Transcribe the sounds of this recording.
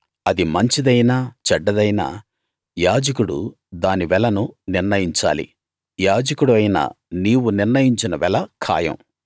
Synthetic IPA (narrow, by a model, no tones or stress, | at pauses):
ɐd̪imɐɲt͡ʃid̪ɐjnaːt͡ʃɐɖːɐd̪ɐjnɐ̰ | jaːd͡ʒɐkuɽṵ | d̪aːniʋɛlɐnuniɾnɐjiɲt͡ʃa̰ːlḭ | jaːd͡ʒɐkuɽuɐjnɐ̰ | niːwuniɾnɐjiɲt͡ʃinɐʋɛlɐkʰa̰ːjɐ̰̃m